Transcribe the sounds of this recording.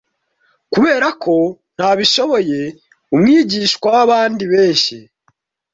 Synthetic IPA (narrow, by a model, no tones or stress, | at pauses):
kuβe̞ːɾakʰo̞ | n̥haβiʃo̞βo̞je̞ | umŋiːɟiːʃkwawaβaːndiβeːɲʃi